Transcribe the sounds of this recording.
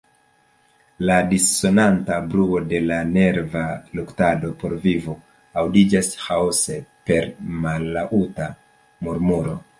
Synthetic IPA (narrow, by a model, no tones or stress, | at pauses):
ladisːo̞nantabɾuo̞de̞lane̞ɾvaluktado̞po̞ɾvivo | awdid͡ʒashawse̞pe̞ɾmalːaʔuta | muɾmuɾo̞